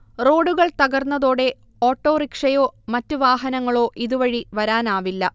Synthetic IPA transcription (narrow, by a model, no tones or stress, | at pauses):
ro̞ːɽuɣɐɭt̪ɐɣɐrnːɐðoːɽe̞ | oːʈːo̞ːrikʂɐjo̞ːmɐtːuʋaːɦɐnɐŋːɐɭo̞ːʔiðuʋɐɻiʋɐɾaːnaːʋilːɐ